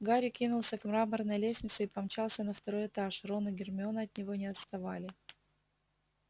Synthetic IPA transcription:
ɡaɾʲɪkʲinʊlˠsʲəkmɾamərnəjlʲesʲnʲɪt̪sɨipɐmt͡ɕalˠsʲənəft̪ɐɾo̞jɪt̪aʂro̞nɨɡʲɪrmʲɪo̞nəɐt̪nʲɪvo̞nʲɪɐt̪st̪ɐvalʲɪ

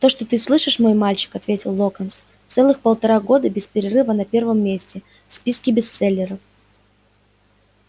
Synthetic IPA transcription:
t̪o̞ʂt̪ot̪ɨslˠɨʂɨʂmo̞jmalʲt͡ɕɪ̥kɐt̪vʲetʲɪlˠːokəns | t̪sɛlˠɨxpəlˠt̪ɐɾaɡo̞d̪əbʲɪspʲɪɾʲɪrɨvənɐpʲe̞rvəmːʲesʲtʲɪ | fspʲiskʲɪbʲɪst̪sɛlʲːɪɾəf

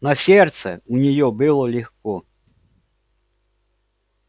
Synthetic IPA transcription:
nɐsʲɛrt̪sɛ̰unʲɛjɔbɨlˠɔlʲixkɔ

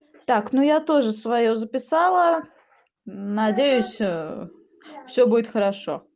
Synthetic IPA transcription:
t̪aknujat̪o̞ʐɨsvɐjozəpʲɪsalˠə | nɐdʲejʊsʲ | fsʲɵbudʲɪt̪xəɾɐʂo̞̰

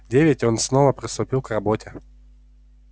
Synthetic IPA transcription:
dʲevʲɪtʲonsnovəpɾʲɪst̪ʊpʲilˠkrɐbotʲɪ

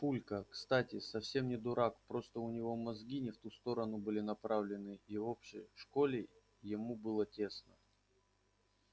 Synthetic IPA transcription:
pulʲkəkst̪atʲɪsɐfsʲe̞mnʲɪd̪ʊɾakpɾo̞st̪əʊnʲɪvo̞mɐzɡʲinʲɪft̪ust̪o̞ɾənʊbɨlʲɪnɐpɾavlʲɪnɨio̞pɕɪ̰ʂko̞lʲɪ | jɪmubɨlˠətʲe̞snə

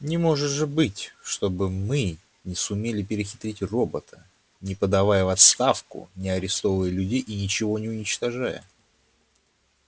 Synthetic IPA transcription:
nʲɪmo̞ʐɨt̪ʐɨbɨtʲʂt̪o̞bɨmɨ | nʲɪsʊmʲelʲɪpʲɪɾʲɪxʲɪ̥t̪ɾʲitʲro̞bət̪ʰə̥ | nʲɪpəd̪ɐvajəvɐt̪st̪afkʊ̰nʲɪɐɾʲɪst̪o̞vəjəlʲʉdʲejʔinʲɪt͡ɕɪvo̞nʲɪʊnʲɪt͡ɕt̪ɐʐajə̰

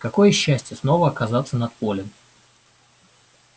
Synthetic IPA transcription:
kɐko̞jəɕːæsʲtʲjəsno̞vəɐkɐzat̪sənɐt̪̚polʲɪm

